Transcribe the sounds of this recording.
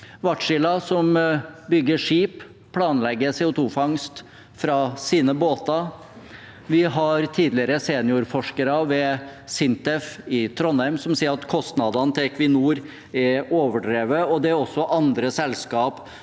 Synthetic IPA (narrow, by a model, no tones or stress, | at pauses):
ʋɑʈʂɪlɑsɔmbʏɡəʂiːp | pʰːlɑːnlɛɡːəseːʊt̪ʰuːfɑŋst̪ | fɾɑsiːnəboːt̪ɑ | ʋɪɦɑɾt̪ʰiːd̪lɪəɾəseːnəjuːɾfɔʂkəɾɑʋɛsɪnt̪ɛfɪt̪ʰɾɔnæɾmsɔmsiːəɾɑt̪kʰɔst̪nɑd̪ɑnt̪ʰɪkʰʋɪnuːɾ | ɛɾoːʋəɖɾeːʋəɔd̪ɛæɾɔsːɔʔɑnd̪ɾəsɛlskɑːp